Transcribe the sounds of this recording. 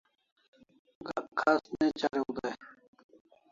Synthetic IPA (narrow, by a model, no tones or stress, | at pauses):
ɡakʰːasnet͡ɕaɾeud̪aj